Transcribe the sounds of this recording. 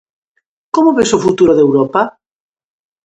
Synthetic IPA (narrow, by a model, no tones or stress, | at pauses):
komoβesofut̪uɾoðewɾopa